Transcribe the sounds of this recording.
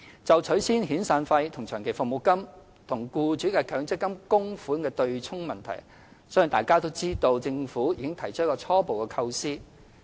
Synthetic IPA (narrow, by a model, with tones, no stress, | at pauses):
t͡sɐ˨wt͡ʃʰɵ˨˥ɥsiː˥nɦiː˨˥nsaː˧nfɐ˧jt̪ʰʊ˨˩ŋt͡ʃʰœː˨˩ŋkʰe˨˩jfʊ˨mo˨˩wkɐ˥m | t̪ʰʊ˨˩ŋkuː˧t͡ʃyː˨˥kɛ˧kʰœː˨˥ŋt͡sɪ˥kːɐ˥mkʊ˥ŋfuː˨˥nkɛː˧t̪ɵ˧ɥt͡ʃʰʊ˥ŋmɐ˨nt̪ʰɐ̰˨˩j | sɔ˨˥jŋt̪aː˨jkaː˥t̪o˥wt͡siː˥t̪o˧wt͡sɪ˧ŋfuː˨˥jiː˧kɪ˥ŋt̪ʰɐ˨˩jt͡ʃʰə˥kɔː˧t͡sʰɔː˥po˨wkɛː˧kʰɐ˧wsiː˥